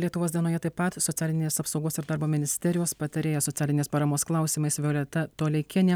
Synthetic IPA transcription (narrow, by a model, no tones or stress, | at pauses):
lʲiɛt̪ʊʋoːsd̪ʲiɛnoːjɛt̪ɐɪppɐt̪sɔt̪ʲæːlʲɪnʲeːsɐpsɒʊɡoːsɪɾd̪ɑːɾboːmʲɪnʲɪsʲt̪ʲɛɾʲɪjoːspɐt̪ɐɾʲeːjɛsoɔt̪sʲæːlʲɪnʲeːspɐɾɐmoːsklˠɑˑʊsʲiːmɐɪsʋʲoːlʲɛt̪ʲɐt̪oːlʲɛɪkʲɛnʲeː